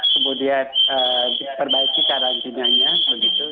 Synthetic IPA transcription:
səbudiaəpərbaikikaɾant̪inaɲabəɡit̪u

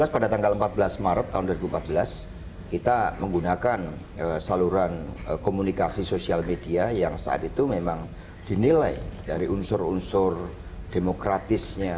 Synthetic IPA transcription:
laspadat̪aŋɡaləmpat̪̚bəlasmaɾət̪ːaɦʊnduwaɾibuəmpat̪̚bəlas | kit̪aməŋɡunakan | əsaluɾanəkomunikasisosialmediajaŋsa̰a̰t̪it̪umemaŋ | d̥inilajdaɾiʔunsʊrṵnsʊr | d̥emokɾat̪ɪsɲa

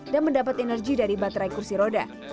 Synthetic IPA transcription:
danməndapat̪ɛnərɡidaɾibat̪ɾaikursiɾoda̰

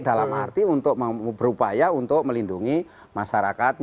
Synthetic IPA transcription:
dalama̰rt̪iunt̪ʊk̚məbəɾupajaunt̪ʊk̚məlinduŋi | maʃaɾakat̪̚

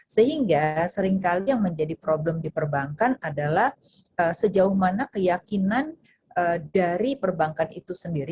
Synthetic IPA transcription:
səɦiŋɡasəɾiŋkalijaŋməɲd͡ʒadipɾoblɛmdipərbaŋkanadalah | ʔəsəd͡ʒaʊhmanakəjakinan | ədaɾipərbaŋkanit̪usəndiɾi

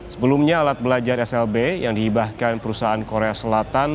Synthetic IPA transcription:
səbəlumɲaːlat̪̚bəlad͡ʒarɛsɛlbejaŋdihibahkanpəɾusaaːnkoɾeasəlat̪an

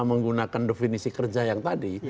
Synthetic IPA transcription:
məŋɡunakandefinisikərd͡ʒajaŋt̪adi

